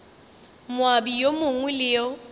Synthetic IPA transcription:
mwabijomʊŋwɛlɪjɔ

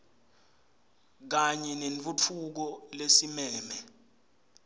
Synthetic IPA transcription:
k̬aɲɛnent͡fʼut͡fʰuk̬ɔlesimɛːmɛ

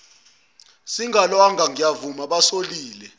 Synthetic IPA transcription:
siŋalwaŋɡʱaŋijavumaɓasoliːlɛ

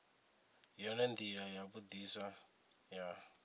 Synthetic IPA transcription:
jɔnɛnd̪iɺajabud̪isa | ja

